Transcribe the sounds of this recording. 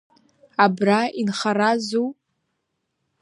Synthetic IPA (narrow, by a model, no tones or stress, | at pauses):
abrainχaɾazu